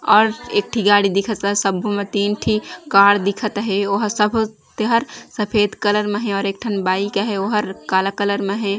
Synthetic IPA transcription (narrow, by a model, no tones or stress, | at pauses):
ɔːɾeːk̚ʈʰiɡaːɽid̪ikʰət̪səbʱomẽt̪iːnʈʰikaːɽd̪ikʰət̪ɦeoɦəɾsəbʱ | t̪eɦəɾsəpʰeːd̪kələɾmeɦɛ̃ɔːɾeːk̚ʈʰənbaːikeɦeoɦəɾkaːləkələɾmeɦɛ̃